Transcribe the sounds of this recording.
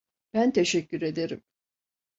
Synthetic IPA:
b̥ænt̪ʰe̞ʃɛcːyɾe̞d̪e̞ɾim

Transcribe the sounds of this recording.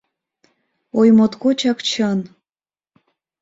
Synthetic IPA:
ojmot̪kot͡ɕɑkt͡ɕʰɤn

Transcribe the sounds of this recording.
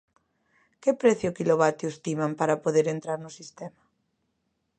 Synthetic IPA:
kɪpɾɛθjʊkiloβat̪jʊst̪imampaɾapoðeɾent̪ɾaɾnʊsist̪ɛma

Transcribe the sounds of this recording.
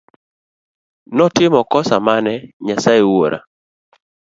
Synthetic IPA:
nɔtɪmɔkɔsamanɛɲasaewoɾʔa̰

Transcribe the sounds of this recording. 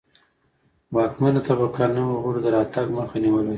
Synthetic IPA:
wɑkmanot̪abakanawɣuɽd̪əɾɑt̪aɡməxaniwəlo

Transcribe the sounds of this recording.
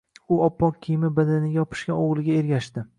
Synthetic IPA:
ʊɒpːɒkʲʰːijmɪbad̪anɪɡʲajɒpʰɪ̥ʃkʲaoʁlˠɪɡʲae̞ɾɡʲaʃt̪ɪ

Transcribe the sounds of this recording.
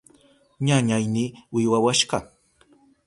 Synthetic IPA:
ɲaɲajniːwɪwawaʃɢɑ

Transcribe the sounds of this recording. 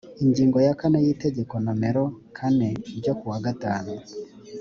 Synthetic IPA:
iɲɟiːŋɡo̞jakanejite̞ɟeko̞nameɾokʰane̞iɾɟokuwaɡataːnu

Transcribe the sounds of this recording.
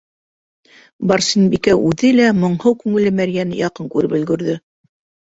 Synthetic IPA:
bɑɾsinbikæʔʉðɘlæmŏɴhɤwkʉŋɘ̆lɘmæɾjænɘjɑqɤŋkʉɾɘpɵ̆lɡɵ̆ɾðɘ

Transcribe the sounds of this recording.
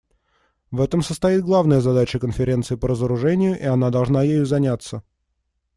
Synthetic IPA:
vɛt̪əmsəst̪ɐjit̪̚ɡlˠavnəjəzɐd̪at͡ɕəkənfʲɪɾʲe̞nt̪sɨɪpəɾəzəɾʊʐɛnʲɪjʊʔɪɐnad̪ɐlˠʐnajejʊzɐnʲat̪sə

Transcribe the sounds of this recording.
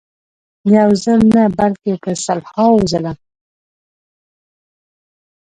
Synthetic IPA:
jawzəlnabalkekəsalhɑwuzəla

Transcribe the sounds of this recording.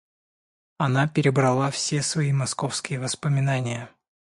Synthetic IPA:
ɐnapʲɪɾʲɪbɾɐlˠafsʲesvɐimɐsko̞fskʲɪjəvəspəmʲɪnanʲɪjə

